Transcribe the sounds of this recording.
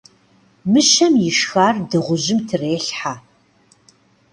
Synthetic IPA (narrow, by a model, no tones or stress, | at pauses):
mɨʃɐmjɪʂxaːrdɨʁʷʊʑɪmtʰɨreːɬħa